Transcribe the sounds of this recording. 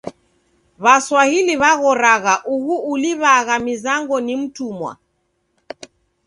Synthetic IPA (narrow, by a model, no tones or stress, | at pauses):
βaswahiliβaɣɔɾaɣaʔuɣuːliβaɣamizaŋɡɔnim̩tumwa̰